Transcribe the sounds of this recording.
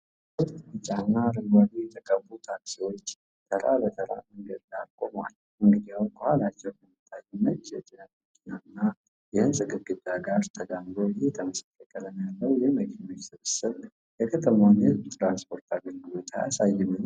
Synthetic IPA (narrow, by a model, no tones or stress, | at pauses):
ot̪ʼɨt͡ʃʼanːaɾɨmwad̪ijɛt̪ʰəkʼəbːut̪ʰaksiwo̞t͡ʃː | t̪ʰəɾa̰lət̪ʰəɾa̰məŋɡəd̪lalkʼoma̰l | mɨŋɡɨd̪iawkʰʼəhalat͡ʃːɛwkənət̪ʰːajɨnːət͡ʃːjɛt͡ʃʼɪnət̪məkʼʰinanːa | jɪhɨnsʼɨɡɨɾɡɨd̪ʼaɡaɾt̪ʰəɡamɾoɪhet̪ʰəməsḁkːəkʼələnjalːəwjɛməkʰinosɨβɨsɨɾ | jɛkʰət̪ʰəmanzbt̪ɾanspʰʼo̞ɾt̪ʰaβinɡɨβət̪ʰa̰ja̰sajːɨmːɨn